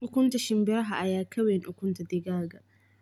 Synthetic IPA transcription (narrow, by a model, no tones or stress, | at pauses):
ʔʊkʷʊntaʃɪmbɛɾɦaʔajaːkʰɐwɛnʔʊkʷʊntadɪɡaːɡa